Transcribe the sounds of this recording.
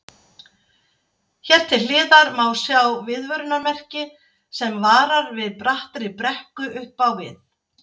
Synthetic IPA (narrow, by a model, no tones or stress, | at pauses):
çɛr̥t̪ʰɪlɪːðaɾmawsjawvɪðvœɾʏnamɛr̥cɪ | sɛmvaːɾaɾvɪðpɾaht̪ɾɪpɾɛhkʏʔʏhpawvɪ̰ð